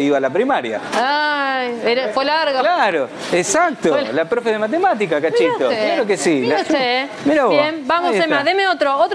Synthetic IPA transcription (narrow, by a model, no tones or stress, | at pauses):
iβalapɾimaɾja̰ajeɾafwelaɾɣaklaɾo | esak̚t̪olapɾofeðemat̪̬emat̪̬ikakat͡ʃit̪oklaɾokesilase | menoβembamoemaðemeot̪ɾoot̪